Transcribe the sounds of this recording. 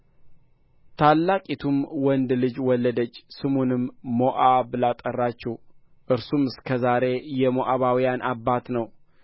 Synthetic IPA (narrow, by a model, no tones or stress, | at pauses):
t̪ʰalːakʼit̪ʰumwɔnd̪lɨd͡ʒwɔlːəd̪ət͡ʃːsɨmunɨmːoʔaβlat̪ʼərːat͡ʃːɛw | ʔɨɾsumɨskʰəzaɾe̞jɛmoʔaβawijanʔabːat̪nəw